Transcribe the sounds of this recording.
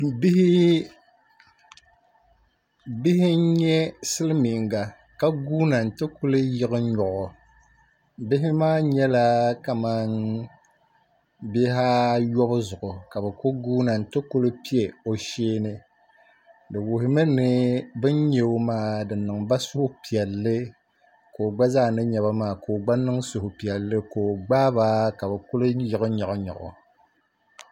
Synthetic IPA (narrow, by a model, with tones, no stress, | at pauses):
bi˦hɪ˦ | bɪ˦hɪ˦ɲɛ˦sɨ˦lɨ˦mi˨ŋɡa˨ | ka˦ɡuː˦na˨n̩˨tɨ˦kʊ˦lɨ˦jɪ˦ɣɨ˦ɲɔ˨ʔʊ˨ | bɪ˦ɦɪ˦maː˦ɲɛ˦la˦ka˨ma˦n | be˦ɦa˦jɔ˦bʊ˦zʊ˨ʔʊ˨ka˨bɛ˨ko˦ɡuː˦na˨n̩˨tɨ˦kʊ˦lɨ˦pi˦e˨o˨ʃeː˦nɨ˦ | dɨ˨wʊ˨ɦɪ˦mɨ˦nɨ˦bɨ˦n˦ɲe˨o˦maː˦˨dɨ˨nːɨ˨ŋba˦sʊ˦hʊ˦pi˨ɛ˨lːɨ˦ | koː˨ɡ͡ba˦zaː˦˨nɨ˦ɲɛ˨βa˦maː˨koː˨ɡ͡ba˦nɨ˦ŋsʊ˨hʊ˨pi˨ɛ˨lːɨ˦koː˨ɡ͡baː˦ba˦ka˨bɛ˨kʊ˦lɨ˦jɪ˨ɣʊ˦ɲa˨ʊ˦ɲɔ̰˨ʔʊ̰˨